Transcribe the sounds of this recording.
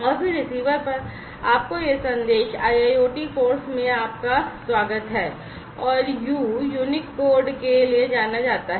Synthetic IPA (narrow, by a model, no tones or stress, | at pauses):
ɐbʱiɾɪsiːʋəɾpɐɾ | aːp̚kojesɐ̃nd̪eːʃaːjaːjoːʈifoːɾsmẽaːp̚kaswaːɡət̪ɦɛː | ɔːɾjuːjuːnɪkboːɾɖkelied͡ʒaːnad͡ʒaːt̪aɦɛ